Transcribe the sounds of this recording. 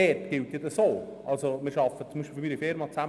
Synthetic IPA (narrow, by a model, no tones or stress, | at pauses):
ɛtɡ̥ɪlt̪jedəsoːʔɑlsomɪːɾʃɑfət͡sumiʃplfɪmiːɾifɪɾmɑt͡sæm